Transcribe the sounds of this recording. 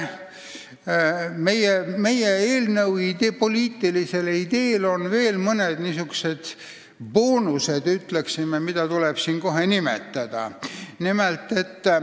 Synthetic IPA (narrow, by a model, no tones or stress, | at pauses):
me̞jeme̞jeeːlnɤwid̪epo̞lʲiːt̪ːˑilise̞lid̪̥e̞ːlo̞nve̞ːlmɤned̪̥nisyku̥se̞d̪̥ | poːnuse̞d̪yt̪leksimemid̪̥ɑt̪uleb̥siːnko̞ɦe̞nimḛt̪ˑːɑd̪̥ɑ̰nimelt̪ːˑe̞t̪ː